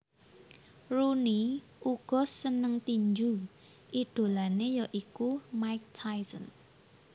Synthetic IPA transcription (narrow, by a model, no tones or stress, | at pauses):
runi | ʔuɡ̥ɔ̤sənəŋt̪iɲd͡ʒu | ʔid̪̥o̤lanejɔʔikumaɪk̚t̪ʰajsən